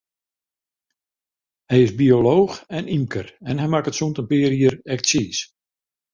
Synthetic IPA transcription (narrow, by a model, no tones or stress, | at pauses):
hɛjɪzbioloːxɛnimkərɛnɦɛjmakətsuntənpɪəɾiəɾɛk̚siːs